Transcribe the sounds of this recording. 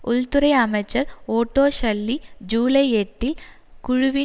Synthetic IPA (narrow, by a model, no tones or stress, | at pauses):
ʊlt̪ʊɾɐɪɐmɐɪt͡ʃːɐɾoːʈːoːɕɐlːid͡ʑuːlɐɪeʈːɪl | kʊɻʊʋɪ